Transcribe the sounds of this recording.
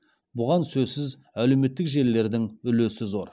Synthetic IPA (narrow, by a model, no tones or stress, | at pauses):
bʊʁɑnsɵzsɪz | æle̞wme̞t̪ːɪkʒe̞lːe̞ɾd̪ɪŋʏlesɪzo̞ɾ